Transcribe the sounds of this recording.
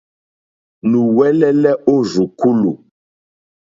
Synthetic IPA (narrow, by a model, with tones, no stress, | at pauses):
nũ˨wɛ˦lɛ˦lɛ˦ʔo˦zu˨ku˦lu˨